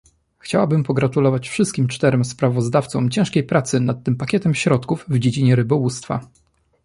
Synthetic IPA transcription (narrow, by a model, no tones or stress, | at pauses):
xt͡ɕawabɘmpɔɡɾat̪ulɔvat͡ɕfʂɘst̪kʲimt͡ʂt̪ɛɾɛmspɾavɔzd̪aft̪sɔ̰̃mt͡ɕɛ̃ʂkʲejpɾat̪sɘnat̪ːɘmpakʲɛt̪ɛmɕɾɔt̪kuvvd͡ʑed͡ʑiɲɛɾɘbɔwust̪fa̰